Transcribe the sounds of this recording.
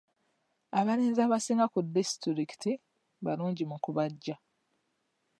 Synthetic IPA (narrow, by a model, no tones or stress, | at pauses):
aβaɾiːnzaːβasiːŋɡakudːistiɾiki̥ti | βaluːɲɟimukuβaɟːa